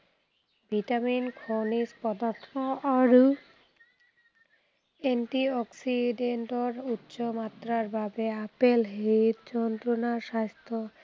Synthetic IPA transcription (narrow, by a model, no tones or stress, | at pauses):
bʱiʈaminkʰonispɔd̪aɾt̪ʰonoʔaɾu | enʈiɔksiɖeɳʈoɾutːɕomat̪ːɾaɾbʱabeapelɦit̪d͡ʑɔnt̪ɾonaʃast̪ʰo